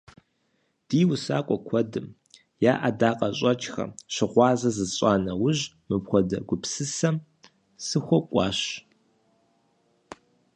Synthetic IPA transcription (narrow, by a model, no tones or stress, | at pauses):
d̥iːwʊsaːkʷʼɔkʷʰɔdɨm | jaːʔadaːqʼɐɕʼɐt͡ʃʼxɐ̰ɕɪʁʷɑːzɐzɨzɕʼɑːnɐwʊʑ | mɨpxʷɔdɐɡʷʊpsɨsɐm | sɨxʷɔkʷʼɑ̰ːɕ